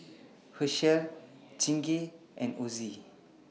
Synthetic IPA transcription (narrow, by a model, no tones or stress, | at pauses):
həʃɛlt͡ʃĩŋɡi | ʔɛ̃nozi